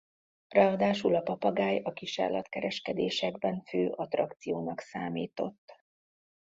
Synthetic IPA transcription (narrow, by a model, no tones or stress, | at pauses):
rɛɒd̪aːʃulɒpɒpɒɡaːjɒkiʃa̰ːrlɒt̪kɛɾɛʃkɛd̪eːʃɛɡbɛɱføːʔɒt̪rɒkt̪sijoːnɒksaːmiːt̪o̞t̪ː